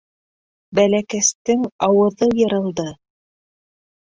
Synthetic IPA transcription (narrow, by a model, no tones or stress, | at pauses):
bælækæst̪ɘŋɑwɤ̆ðɤjɤ̆ɾɤ̆lˠd̪ɤ